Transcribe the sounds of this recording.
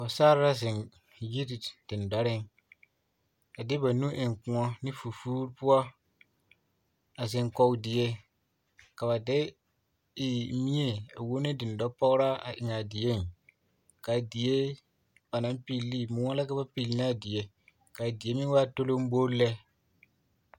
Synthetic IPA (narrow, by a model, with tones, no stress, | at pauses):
wa˨saː˦ɾa˦zɪ˨n | ji˦ɾd̥ɪ˨n˨da˦ɾɪ˦ŋ | a˨dɪ˦ba˨nu˦ʔɪ˨ŋkũ˨ɔ˦nɪ˦fu˨fuː˦ɾpʊ˦ɔ˦ | a˨zɪ˨ŋkɔ˨dɪ˨je˦ | ka˨βa˨dɪ˦ | ɪ˨mi˦e˦˨a˨wo˦ne˦dɪ˨n˨dɔ˦pɔ˦ɣɾa˦a̰˨ʔɪ˨ɲa˨dɪ˨je˦n | ka˨dɪ˨je˦ | ba˨na˨˦mpi˨lːi˦mʊ̃˨˦ɔ˦la˦ka˦ba˦pi˨lna˦˨dɪ˨je˨ | ka˨dɪ˨e˦mɪ̃˦n˦wa˦to˦lo˦m˦bo˦lɛ˦